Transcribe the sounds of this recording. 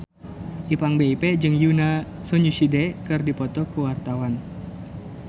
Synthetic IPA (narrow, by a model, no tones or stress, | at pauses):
ʔipaŋbeiped͡ʒɨŋjuna | sɔɲusidɛkɨrdipɔt̪ɔkuwart̪awan